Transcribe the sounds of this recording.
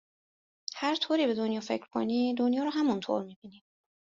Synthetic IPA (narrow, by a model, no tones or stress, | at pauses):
hæɾt̪ʰoːɾiːbe̞d̪o̞njɒːfe̞cʰɾkʰo̰niːd̪onjɒːɾɔːɦæmunt̪ʰo̰ɾmiːbini̥ː